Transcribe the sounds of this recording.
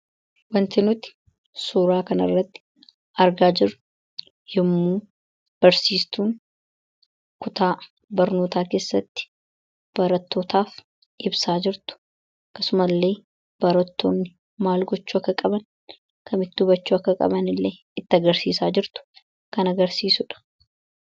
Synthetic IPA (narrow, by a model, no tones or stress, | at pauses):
wɐnt̪ɪnʊt̪ | suːɾaːkɐnɐ̰rːɐt̪ːɪ̥ | ɐɾɡaːd͡ʒɪɾːʊ | jɛmːuː | b̥ɐɾsiːst̪uːn | kʊt̪aː | bɐɾno̞ːt̪aːke̞ːsːɐt̪ːɪ̥ | b̥ɐɾɐt̪ːo̞ːt̪aːf | ʔɪbsaːd͡ʒɪɾt̪ʊ̥ | kːɐsʊmɐlːe̞ː | b̥ɐɾɐt̪ːo̞ːnːɪ | maːlɡɔt͡ʃːuːɐkːɐkʼɐbɐn | kʰɐmɪt̪ːɪʊbɐt͡ʃːuːɐkːɐkʼɐ̰bɐnɪlːeː | ɪt̪ːɪɐɡɐɾsiːsaːd͡ʒɪɾt̪ʊ̥ | kɐnɐɡɐɾsiːsʊᶑɐ̥